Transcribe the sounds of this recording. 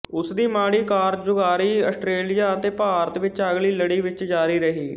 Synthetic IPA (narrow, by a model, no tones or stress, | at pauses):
ʊsd̪iːmaːɽiːkaːɾd͡ʒʊɡaːɾiːəsʈɾeːlijaːət̪eːpaːɾət̪ʋɪt͡ʃəɡliːləɽiːʋɪt͡ʃd͡ʒaːɾiːɾəɦiː